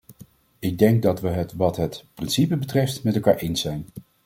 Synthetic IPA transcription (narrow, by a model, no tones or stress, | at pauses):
ɪɡ̚dɛŋɡ̚dɑtʋəɦətʋɑtɦətprɪnsipəbətrɛftmɛtɛlˠka̰ːɹʔejnsɛjn